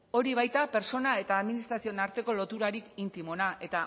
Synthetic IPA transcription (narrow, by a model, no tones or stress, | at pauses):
o̞ɾiβ̞ajt̪ape̞ɾso̞nae̞t̪aːðminist̪ɾasio̞naɾt̪e̞ko̞lo̞t̪uɾaɾikint̪imo̞nae̞t̪a